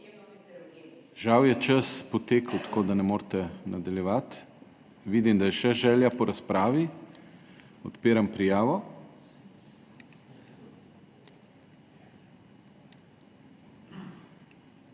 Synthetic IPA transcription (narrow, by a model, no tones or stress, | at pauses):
ʒawjɛt͡ʃəspɔt̪eːkəwt̪koːd̪anɛmoːɾt̪ɛnad̪aljɛʋat̪ | ʋiːd̪imd̪ajɛʃɛʒɛːljapɔɾaspɾaːʋi | ɔt̪peːɾampɾijaːʋɔ